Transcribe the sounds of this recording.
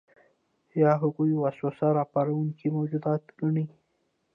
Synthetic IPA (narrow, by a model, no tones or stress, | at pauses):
jɑɦaɣujwaswasaɾɑpɑɾawuŋkimawd͡ʒud̪ɑt̪ɡaɳi